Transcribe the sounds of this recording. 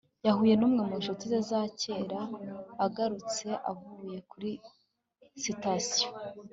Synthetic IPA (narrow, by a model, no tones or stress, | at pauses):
jahuːje̞nuːmŋemunʃutize̞zace̞ːɾaːɡaɾut͡se̞ʔa̰vuje̞kuɾi | sitasijo